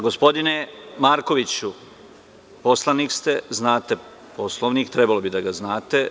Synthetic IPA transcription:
ɡo̞spo̞d̪inemaːɾko̞ʋit͡ɕu | po̞slˠanikst̪e̞znaːt̪e̞ | po̞slˠo̞ʋnikt̪ɾe̞balo̞bid̪aɡaznaːt̪e̞

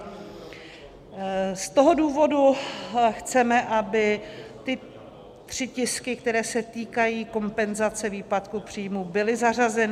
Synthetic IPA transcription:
st̪o̞ɦo̞duːvo̞duxt͡sɛmɛʔabɪt̪ɪ | t̪r̝̥ɪcɪskɪk̚t̪ɛɾɛːsɛt̪iːkajiːko̞mpɛnzat͡sɛviːpat̪kupr̝̥iːjmubɪlɪzar̝azɛn

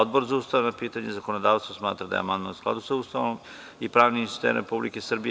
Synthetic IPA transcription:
od̪bo̞ɾzaust̪ajanapiːt̪aɲezako̞nod̪aːʋst̪vosmaːt̪ɾad̪a̰ea̰mand̪manskla̰d̪usauːst̪aʋnom | ipɾaːʋnist̪ḛɾḛpublḭkesr̩bi

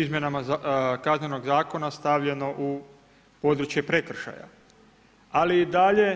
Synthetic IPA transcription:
izmjenamakazneno̞ɡzaːko̞nast̪aʋʎe̞no̞ʔu | pod̪ɾut͡ʃje̞pɾe̞kr̩ʃa̰ja̰ | aliid̪aʎe̞

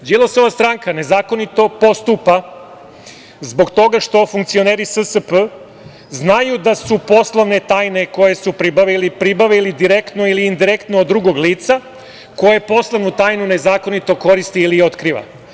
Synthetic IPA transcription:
djelˠosoʋast̪ɾaŋkane̞zaːko̞nit̪o̞po̞st̪upa | zbo̞kt̪o̞ɡaʃt̪o̞fuŋkt̪sioneːɾisəsəpə | znajud̪asupo̞slˠoʋne̞t̪aːjne̞ko̞je̞supɾibaʋilipɾibaʋilid̪iɾekt̪noiliːnd̪iɾekt̪noːd̪ːɾuɡo̞ɡliːt̪sa | ko̞jepo̞slˠoʋnut̪aːjnune̞zaːko̞nit̪o̞ko̞ɾist̪iːlio̞t̪kɾiːʋa̰

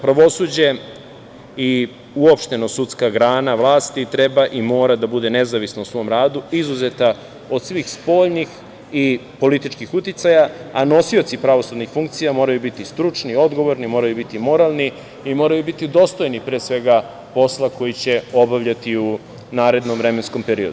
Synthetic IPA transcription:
pɾaʋo̞sud͡ʑe | i | uo̞pʃt̪e̞nosut̪skaɡɾaːnaʋlˠaːst̪it̪ɾe̞baʔimo̞ːɾad̪abud̪e̞ne̞zaʋisnousʋo̞ːmɾaːd̪uizuze̞t̪a | o̞d̪̥sʋiːxspo̞ːʎnix | ipo̞lit̪it͡ʃkixut̪it̪sajaano̞sio̞t̪sipɾaʋo̞sud̪nixfuŋk̚t̪sijamo̞ːɾajubit̪ist̪ɾut͡ʂnio̞d̪ɡo̞ʋo̞ɾnimo̞ːɾajubit̪imo̞ɾalˠniː | mo̞ːɾajubit̪id̪o̞st̪o̞jnipɾeːsʋe̞ɡa | po̞slˠako̞jit͡ɕe̞o̞baʋʎat̪iu | naːɾe̞d̪nomʋɾe̞mensko̞mpe̞ɾio̞d̪u

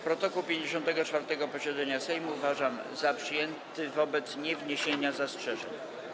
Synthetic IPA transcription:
pɾɔt̪ɔkuwpʲjeɲd͡ʑeɕɔnt̪ɛɡɔt͡ʂfaɾt̪ɛɡɔpɔɕɛd̪zɛɲasɛjmuːvaʐam | zapʂɘjɛnt̪ɘvɔbɛt̪sɲɛvɲeɕeɲazastʂɛʐɛ̰ɲ

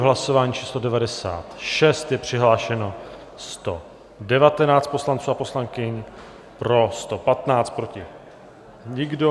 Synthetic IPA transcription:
ɦlaso̞vaːɲiːt͡ʃʰiːslo̞dɛvadɛsa̰ːt̪ʃɛst̪jɛpr̝̥ɪɦlaːʃɛno̞ | st̪o̞ | dɛvat̪ɛnaːt͡st̪po̞slant͡suːapo̞slaŋkɪɲ | pɾo̞st̪o̞pat̪naːt͡st̪̚pɾo̞cɪ | ɲɪɡdo

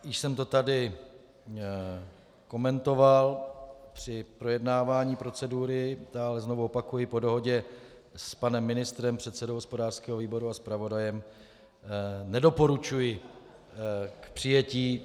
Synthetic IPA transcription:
jɪʃsɛmt̪o̞t̪adɪ | ko̞mɛnt̪o̞valpr̝̥ɪpɾo̞jɛdnaːvaːɲiːpɾo̞t͡sɛduɾɪd̪aːlɛznovuopakujɪpo̞do̞ɦo̞ɟɛ | spanɛmːɪnɪst̪ɾɛmpr̝̥ɛt̪sɛdowɦospo̞daːr̥skɛːɦo̞viːbo̞ɾuaspɾavo̞dajɛm | nɛdo̞po̞ɾut͡ʃujɪ | kpr̥ɪjɛciː

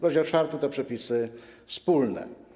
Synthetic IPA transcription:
kɔd͡ʑiɔt͡ʂfaɾt̪ut̪ɛpʂɛpʲisɘfspulnɛ̰

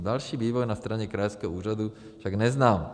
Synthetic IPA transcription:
d̪alʃiːviːʋɔjnast̪ɾaɲɛkɾajoskɛɦɔuːɾad̪u | fʃaɡnɛznaːm

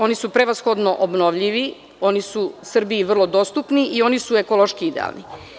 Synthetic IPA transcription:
o̞nisupɾeʋasxo̞d̪no̞ʔobnoʋʎiʋi | o̞nisusr̩biiʋr̩lˠo̞d̪o̞ːst̪upniʔio̞nisueko̞lˠoʃkiid̪ḛa̰lˠnḭ

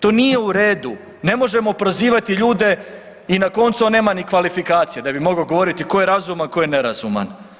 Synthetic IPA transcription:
t̪o̞ːnije̞uɾeːd̪u | ne̞mo̞ʒe̞mopɾoziːʋat̪iʎuːd̪e̞ | inako̞nt̪suone̞ːmanikʋalifikaːt̪sijed̪abimo̞ɡoɡo̞ʋo̞ɾit̪iko̞jeɾazumanko̞jene̞ɾazuma̰n

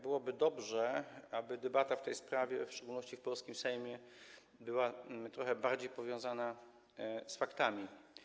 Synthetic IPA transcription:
bɘwɔbɘd̪ɔbʐɛʔabɘd̪ɛbat̪aft̪ɛjspɾavʲjɛfʂt͡ʂɛɡulnɔɕt͡ɕifpɔlskʲimsɛjmʲjɛ | bɘwat̪ɾɔxɛbaɾd͡ʑejpɔvʲjɔ̃w̃zana | sfakt̪amʲi

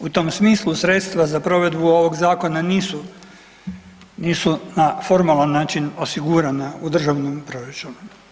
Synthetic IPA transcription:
ut̪o̞ːmsmiːslˠusɾet̪st̪ʋazapɾo̞ʋe̞d̪buo̞ʋo̞ɡzaːko̞naniːsu | niːsunafo̞ɾmalanːaːt͡ʃino̞siɡuɾanaud̪r̩ʒaʋnompɾoɾet͡ʃumu

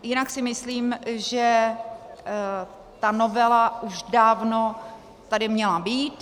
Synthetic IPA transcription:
jɪnaksɪmɪsliːmʒɛ | t̪anovɛlaʔuʃdaːvno̞ | t̪adɪmɲɛlabiːt̪

